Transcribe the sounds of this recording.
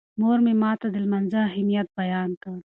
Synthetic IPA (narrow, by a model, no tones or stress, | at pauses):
moːɾmemaːt̪ɐd̪ɪlmɐnzaɦimijɐt̪̚bɐjaːnt̪a